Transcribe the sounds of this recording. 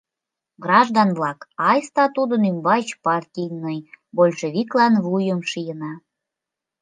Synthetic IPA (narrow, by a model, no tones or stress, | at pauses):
ɡrɑʒd̪ɑnβlɑkɑjst̪ɑt̪ud̪ənymbɑjt͡ɕpɑrtʲijnəjbolʲʃeβʲiklɑnβujəmʃijənɑ